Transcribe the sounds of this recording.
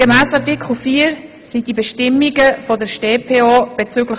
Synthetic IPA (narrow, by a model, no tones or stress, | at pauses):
ɡəmæːsɑtɪkʰχl̩fiːəɾ | sid̥ibɛʃtɪmːiɡəfɔdəʃteːpʰeːoːb̥et͡syːɡlə